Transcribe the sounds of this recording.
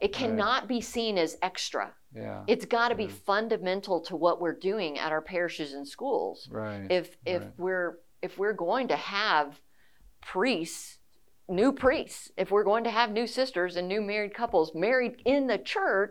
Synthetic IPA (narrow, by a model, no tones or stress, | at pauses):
ʔɨt̚kʰænət̚b̥isĩnɨzɛkstɹ̥ə̰ | ɨtsɡ̥ɑɾɨbifʌ̃ndɨmɛ̃ntʰˡl̩ˠtʰəwʌʔwɪɹdʉɪ̃ŋɨ̰ɾaʊə˞pʰɛɹɨʃɨzɨ̃n̩skṵlˠz̥ɹɪfɪfwɪɹ | ɨfwɪɹɡoʊɪ̃ŋtɨəv̥ | pʰɹ̥ists | nʉpʰɹ̥istsɨfwɪɹɡoʊɪ̃ŋtɨːvnʉsɪstə˞zɨ̃nːʉmɛɹid̚kʰʌpl̩ˠzmɛɹiɾɪ̃nðɨt͡ʃʰɜ˞t͡ʃ